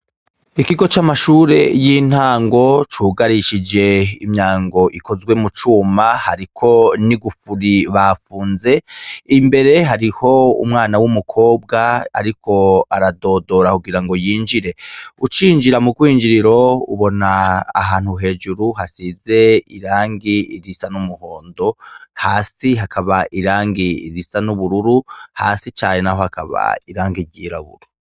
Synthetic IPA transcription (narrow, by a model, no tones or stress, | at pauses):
ikiɡo̞t͡ʃamaʃuːɾe̞jin̥haːŋɡo̞t͡ʃuːɡaɾiʃid͡ʒe̞imɲaːŋɡo̞ʔikʰo̞zɡwe̞mut͡ʃuːmahaɾikʰo̞niɡufuɾiβafuːnze̞imbe̞ɾe̞ɦaɾiho̞ṵmŋaːnawumukʰo̞ːb̚ɡaa̰ɾikʰo̞aɾado̞do̞ɾakuɡiɾaŋɡo̞jiːnd͡ʒiɾe̞ut͡ʃiːnd͡ʒiɾamuɡwiːnd͡ʒiɾiɾo̞ṵβo̞naːɦaːn̥huɦe̞ːd͡ʒuɾuɦasize̞iɾaːŋɡiḭɾisanumuho̞ːndo̞haːsiɦakʰaβaʔiɾaːŋɡiḭɾisanuβuɾuɾuha̰ːsit͡ʃaːɲenaho̞hakaβa̰iɾaːŋɡiɟiːɾaβṵɾu